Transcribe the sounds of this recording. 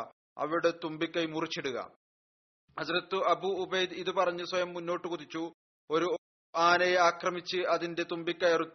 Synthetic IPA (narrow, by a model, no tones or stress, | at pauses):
ɐ̰ʋiɽet̪umbikʲːɐjmurit͡ɕːiɽuɣɐ̰ | nɐd͡ʑɐɾɐt̪ːuɐbuːbɐjd̪iðupɐrɐɲːuswɐjɐmːunːo̞ːʈːɨkuðit͡ɕːu | oɾu | aːnejaːkrɐmit͡ɕːɨɐðinde̞t̪umbikʲːɐjɐrut̪ː